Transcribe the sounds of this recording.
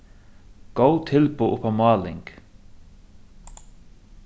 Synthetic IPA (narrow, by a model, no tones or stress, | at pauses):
ɡ̥oʊt̪ʰɪlbuːʔpʰɑmɑːlɪ̰ŋɡ̥